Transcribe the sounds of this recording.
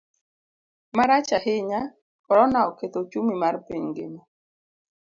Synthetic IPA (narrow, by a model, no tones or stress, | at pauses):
maɾat͡ʃahɪɲa | kɔɾɔnaɔket̪ot͡ʃumimarpiɲɡḛɲɔ